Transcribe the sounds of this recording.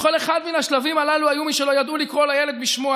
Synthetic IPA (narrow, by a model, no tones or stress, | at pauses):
ko̞le̞χad̪minaʃlavimalaluajumiʃe̞lo̞jad̪ulikʁo̞lajeled̪biʃmoa